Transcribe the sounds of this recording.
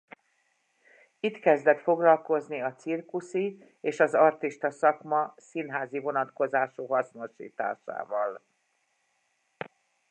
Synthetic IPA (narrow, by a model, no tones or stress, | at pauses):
it̪kɛzd̪ɛt̪fo̞ɡlɒlko̞zniɒt̪sirkusi | eːʃɒzɒrt̪iʃt̪ɒsɒkmɒsinɦaːzivo̞nɒt̪ko̞zaːʃuːɦɒsno̞ʃḭːt̪a̰ːʃa̰ːvɒl